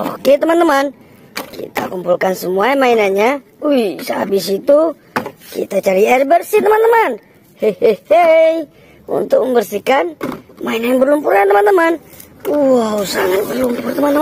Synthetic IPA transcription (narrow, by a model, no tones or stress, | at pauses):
o̰ket̪əmant̪əman | kḭt̪a̰kumpulkansəmuamainaɲa | uisa̰bis̬it̪u | kḭt̪at͡ʃaɾiɛrbərsit̪əmant̪əman | heehej | ṵnt̪ʊk̚məmbərsikanmainaɲabərlumpʊɾɲat̪əmant̪əman | uausaŋat̪̚bərlumpʊrt̪əmant̪ə